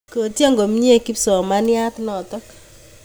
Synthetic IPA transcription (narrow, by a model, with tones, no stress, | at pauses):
ko˨tja˦ŋɡo˨m˦ɲi˦e˦˨ki˦psɔ˨ma˦nja˦tnɔ˨tɔ˦k